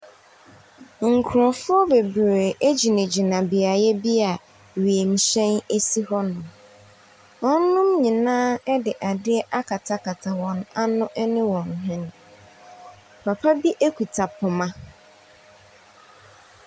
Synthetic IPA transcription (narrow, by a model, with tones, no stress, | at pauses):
ŋ̩˨kʰʊ˨ɾʊ̃˨fʊ˦ɔ˦be˨bɾe˨ʔe˦d͡ʑi˨nẽ˨d͡ʑi˨nã˨bɪ˨a˨jɛ˦bi˦a˨ | ɥi˨e˨m̩˨ɕɛ̃˦ne˦si˦hɔ˦nʊ̃˨ | wɔ̃˦n̩˦nːʊ̃˦mɲĩ˨nãː˦ɛ˦dɪ˨ʔa˨dɪ˦ɛ˦ʔa˦kʰa˨tʰa˦ka˨tʰa˨wɔ̃˨na˦nʊ̃˦ʔɛ˦nɪ̃˦wɔ̃˨n˨ɦɪ̃˦nʊ̃˨ | pʰa˨pʰa˦bi˦ʔe˦kʰʷu˨tʰa˨pʰʊ˨mã˦